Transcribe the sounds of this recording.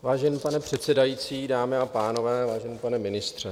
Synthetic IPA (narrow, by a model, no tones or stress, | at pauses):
vaːʒɛnipanɛpr̝̥ɛt̪sɛdajit͡siːdaːmɪapaːno̞vɛːvaːʒɛnipanɛmɪnɪst̪r̝̥ɛ